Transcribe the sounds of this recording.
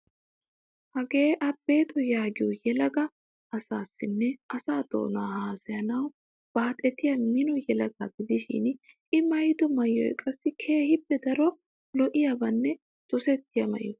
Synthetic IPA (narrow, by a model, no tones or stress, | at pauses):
hɐɡe̞ːʔɐbeːt̪ʼɔjaːɡɪjɔjɛlɐɡɐ | ɐsaːsːɪnːɛʔɐsaːd̪o̰ːnaːhaːsɐjɐnɐw | b̥aːt̪ʼɛt̪ːɪjɐmɪnɔjɛlɐɡaɡɪd̪ɪʃɪ̰n | ʔɪmɐjd̪ɔmɐjɔ̰jkʼɐsːɪkʰe̞ːhɪbːɛd̪ɐɾɔ | lɔʔɪjɐbɐnːɛ | t̪ʊsɛt̪ːɪjɐmɐ̰ʔɔ